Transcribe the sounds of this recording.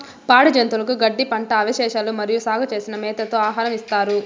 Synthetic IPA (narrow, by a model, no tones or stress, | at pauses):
paːɽɐd͡ʒɐnt̪ulɐkuɡɐɖːipɐɳʈɐːʋɐʃɛːʃaːlumɐɾijusaːɡʱɐt͡ʃe̞ːsinɐmɛːt̪ɐt̪oːaːɦaːɾɐmist̪aːɾu